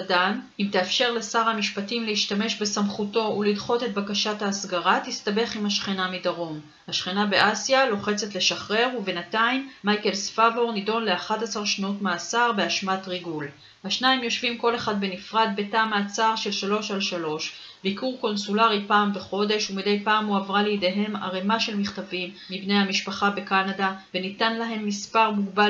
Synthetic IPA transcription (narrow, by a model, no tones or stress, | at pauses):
danimt̪eafʃe̞ʁlesaʁhamiʃpatimlehiʃtame̞ʃbesamχuto̞ulilχo̞te̞t̚bakaʃathaːsɡaʁatist̪abe̞χimhaʃχinamidaʁo̞m | haʃχinabe̞ʔasjalo̞χe̞t͡se̞tle̞ʃaχʁe̞ʁuvenataimːajke̞lsfabo̞ʁnido̞nle̞aχatasaʁʃnutmeasaʁbeaʃmatʁiɡul | haʃnaimjo̞ʃvimko̞le̞χad̪be̞nifʁad̪̚be̞taːmaːt͡saʁʃe̞lʃalo̞ʃalʃalo̞ʃ | bikuʁko̞nsulaʁipaːmbeχo̞de̞ʃumide̞jpaːmuavʁalejid̪e̞ɦe̞ma̰ʁemaʃe̞lmiχt̪avimːibne̞jhamiʃpaχabe̞kanadave̞nitanlaɦe̞mːispaʁmuɡba